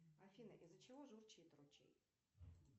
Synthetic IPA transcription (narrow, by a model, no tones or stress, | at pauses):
ɐfʲinəʔizːət͡ɕɪvoʐurt͡ɕɪɪt̪ɾʊt͡ɕḛj